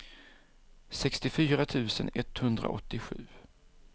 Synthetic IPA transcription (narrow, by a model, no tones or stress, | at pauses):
sɛkst̪ɪfyːɾat̪ʰʉ̟ːsənɛt̪hɵnd̪ɾa̰ʔɔt̪ːɪɧʉ̟ː